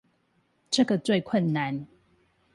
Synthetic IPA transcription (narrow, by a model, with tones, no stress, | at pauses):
ʈ͡ʂə˥˨ɡə˨t͡swe˥˨ɪkʰwə˥˨nːa˨˦n